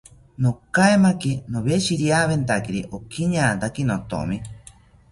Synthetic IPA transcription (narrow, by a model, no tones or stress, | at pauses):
nokaemakinoβeʃiɾjaβent̪akiɾiʔokiɲaːt̪akinot̪o̰mi